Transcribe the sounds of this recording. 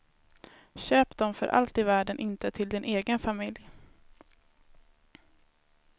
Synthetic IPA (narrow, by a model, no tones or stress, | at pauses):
ɕøːpd̪ɔmfœ̰ɾʔa̰lt̪ɪvæːɖənʔɪnt̪ət̪ʰɪld̪ɪnʔeːɡənfamɪlj